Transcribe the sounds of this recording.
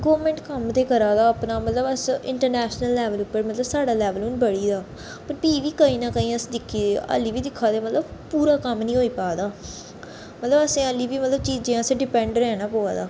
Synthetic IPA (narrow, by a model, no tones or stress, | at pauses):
ɡəʋɾmɛ̃ɳʈkəmd̪eːkəɾaːd̪aːəːpnaːmət̪ləbəsɪ̰̃ɳʈəɾnɛːʃnəlːɛːʋəlʊpːəɾmət̪ləbsaːɖaːlɛːʋəlʊnbəɽiːd̪aː | pəɾpiːʋiːkəĩːnãːkəĩːəsd̪ɪkʰːiːd̪eə̰ːliːʋiːd̪ɪkʰːaːd̪eːmət̪ləbpuːɾaːkəmnĩːɦoːiːpaːd̪aː | mət̪ləbəsẽːəliːbiːmət̪ləbt͡ʃiːd͡ʒẽãːəseɖɪpɛ̃ɳɖɾɛ̃ːnãːpoːaːd̪a̰ː